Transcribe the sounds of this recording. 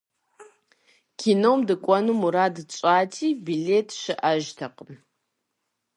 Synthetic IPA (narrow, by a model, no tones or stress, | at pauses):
kʲʰinowmdɨkʷʼɔnɨmuɾaːdɨt͡ɕʼaːtʰiːbileːtʰʃɪʔaʒtʰɐqʼəm